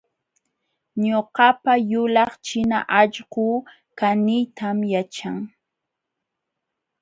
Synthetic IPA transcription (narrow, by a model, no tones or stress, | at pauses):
ɲoɢɑpajʊlɑχt͡ʃɪna̰ʔɑʎɢu | kanɪjt̪amjat͡ʃaŋ